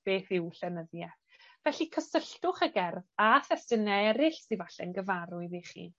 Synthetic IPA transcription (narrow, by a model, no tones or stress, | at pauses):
b̥eːθɪwɬɛnəðjɛ | vɛɬikʰəsəɬtʊχəɡɛrvaθɛstənɛɛɾɪɬsivaɬɛ̰nɡəvaɾʊɨðiχḭː